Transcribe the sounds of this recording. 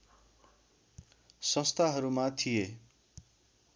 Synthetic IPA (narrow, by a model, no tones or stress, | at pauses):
sʌ̃st̪ʰaɦʌɾumat̪ʰije